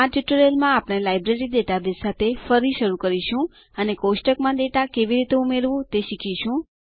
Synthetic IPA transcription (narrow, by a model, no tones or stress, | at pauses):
ãʈuʈuɾelmãapɽ̃elajbɾeɾid̪eʈ̪ab̪esat̪ʰefəɾiʃəɾukəɾiʃũ | ənekosʈəkmãd̪eʈ̪akeʋiɾit̪eumeɾʋũt̪eʃikʰiʃũ